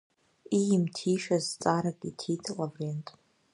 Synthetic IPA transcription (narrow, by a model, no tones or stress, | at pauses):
ijɪmtʰiʃazt͡sʼaɾakʼitʰitʰlavrentʼ